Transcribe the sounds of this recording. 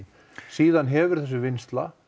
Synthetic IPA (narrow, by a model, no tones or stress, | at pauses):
siːðanɦɛvʏɾ̥θɛsːʏvɪnst̪la̰